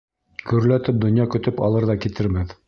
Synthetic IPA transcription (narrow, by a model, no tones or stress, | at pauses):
ɡɵ̆ɾlæt̪ɘp̚d̪ŏnjɑkɵ̆t̪ɵpɑ̰lˠɤɾðɑkit̪ɘɾmɘð